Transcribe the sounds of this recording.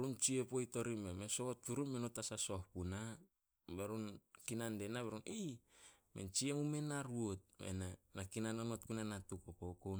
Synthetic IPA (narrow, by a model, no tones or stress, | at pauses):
ɾunt͡ʃiepojto̞ɾimemesoot̚kuɾunmenotasaso̞hpuna | beɾunkinandenabeɾunʔijmḛnt͡ʃiemume̞naɾuot̚mḛnanakinanonotkunanatukokokow